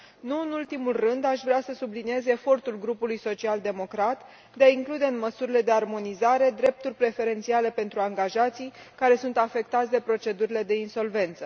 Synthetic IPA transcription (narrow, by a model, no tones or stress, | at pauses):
nuɨnult̪imulrɨnd̪aʃvɾeasəsublinie̞ze̞fo̞rt̪ulɡɾupulujso̞t͡ʃiald̪e̞mo̞kɾat̪ | d̪eaiŋklud̪e̞ɨnməsuɾile̞d̪e̞armo̞nizaɾe̞d̪ɾe̞p̚t̪urʲpɾe̞fe̞ɾe̞nt̪siale̞pe̞nt̪ɾuaŋɡaʒat̪sijkaɾe̞sunt̪afe̞k̚t̪at̪sʲd̪e̞pɾo̞t͡ʃe̞d̪uɾile̞d̪e̞inso̞lve̞nt̪sə